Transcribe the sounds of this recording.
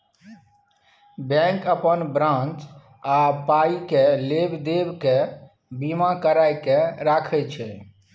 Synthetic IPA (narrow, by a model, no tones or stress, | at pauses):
bɛ̃kəpənbɾãnt͡ʃ | apaikelebd̪ebke | bimakəɾajkeɾakʰɛt͡ʃʰɛ